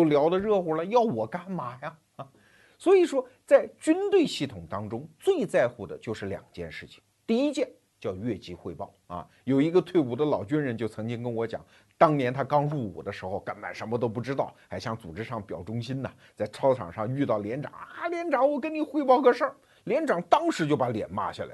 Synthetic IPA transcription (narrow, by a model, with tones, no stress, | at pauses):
o˥˩ʊljɑ˧˥ʊd̪ə˧ɻɤ˥˩xɔ˧˥lə˧jɑ˥˩ʊwɔ˨˩ka˥˩nma˨˩ja˧ | a˧˩ | swɔ˧˥i˨˩ʂwɔ˥t͡sa˥˩ɪt͡ɕy˥nt̪we˥˧ɪɕi˥˩t̪ʰʊ˨˩ŋt̪ɑ˥ŋʈ͡ʂʊ˥ŋt͡swe˥˧ɪt͡sa˥˧ɪxu˥˩d̪ə̰˩t͡ɕjo˥˧ʊʂɻ̩˥˩ljɑ̰˨˩ŋt͡ɕjɛ̰˥˧nʂɻ̩˥˩t͡ɕʰi̥˨˩ŋt̪i˥˧i˥t͡ɕjɛ˥˩n | t͡ɕjɑ˥˧ʊɥɛ˥˩t͡ɕi˧˥xwe˥˧ɪpɑ˥˩ʊɐ̰˧ | jo˨˩ʊi˧˥ɡə˧t̪ʰwe˥˩ɪu˧˩d̪ə˧lɑ˨˩ʊt͡ɕy˥nɻə˧˥nt͡ɕjo˥˩ʊt͡sʰɤ˧˥ŋt͡ɕi˥ŋkə˥nwɔ˧˥t͡ɕjɑ̰˨˩˦ŋ | t̪ɑ˥ŋnjɛ˧˥nt̪ʰa˥kɑ˥ŋɻu˥˩wɔ̰˨˩d̪ə˦ʂɻ̩˧˥xo˧ʊka˧˩nma̰˨˩nʂə˧˥nmə˧t̪̬o˥ʊp̬u˥˩ʈ͡ʂɻ̩˥t̪ɑ˥˩ʊxa˧˥ɪɕjɑ˥˩ŋt͡su˨˩ʈ͡ʂɻ̩˥ʂɑ˥˩ŋpjɑ̰˨˩ʊʈ͡ʂʊ˥ŋɕi˥nə˨ | t͡sa˥˩ɪʈ͡ʂʰɑ˥ʊʈ͡ʂʰɑ̰˨˩ŋʂɑ˥˧ŋy˥˧t̪ɑ˥˩ʊljɛ˧˥nʈ͡ʂɑ̰˨˩˦ŋa˥˧ljɛ˧˥nʈ͡ʂɑ˧˥ŋwɔ˨˩k̬ə˥nni˨˩xwe˥˧ɪpɑ˥˧ʊkə˥˧ʂə˥˧ | ljɛ˧˥nʈ͡ʂɑ˨˩˥ŋt̪ɑ˥ŋʂɻ̩˧˥t͡ɕjo˥˩ʊpa˧˥ljɛ̰˨˩nma̰˥ɕja̰˥˩la̰˧˦